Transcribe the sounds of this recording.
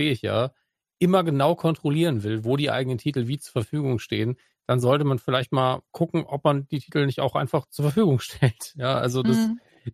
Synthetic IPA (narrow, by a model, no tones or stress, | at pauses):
eːəɪçja̰ː | ʔɪmɐɡənaʊkʰɔntʁ̥oliːʁənvɪlvoːɾiːʔa̰ɪɡənəntʰiːtl̩viːt͡suːɐfɛɐfyːɡʊŋʃteːən | d̥anzɔltəmanfɪlaɪçtmaːlkʰʊkŋ̩ʔɔp̚mand̥iːtʰiːtl̩nɪçta̰ʊxʔa̰ɪnfaχt͡suːɐfɛɐfyːɡʊŋʃtʰɛltjaːʔa̰lzodas